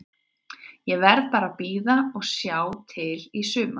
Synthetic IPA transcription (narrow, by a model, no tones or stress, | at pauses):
jɛvɛɾðpaːɾapiːðaɔɣsjaːwt̪ʰɪlisʏːma